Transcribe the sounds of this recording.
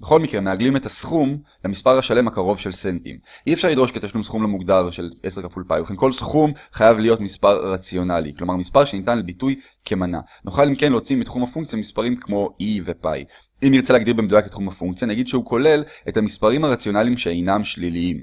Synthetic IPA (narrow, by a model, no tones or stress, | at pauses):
beχo̞lmikʁemeaɡlimetasχum | lamispaʁhaʃale̞makaʁo̞vʃe̞lsentḭmʔiefʃaʁlidʁo̞ʃket̪aʃlumsχumlamuɡdaʁʃe̞lʔese̞ʁkafulpajbleχenko̞lsχumχajavlijo̞tmispaʁʁat͡sjo̞nalḭklo̞maʁmispaʁʃenitanlebituj | kʰe̞mana̰ | nʔoχalimke̞nlet͡simitχumhafuŋk̚t͡sijamispaʁimkmo̞ivepa̰j | imiʁt͡seleaɡdiʁbemed̪ujaketχumhafuŋkt͡sijanaɡidʃehuko̞le̞lethamispaʁimhaʁat͡sjonalimʃeejnamʃliliim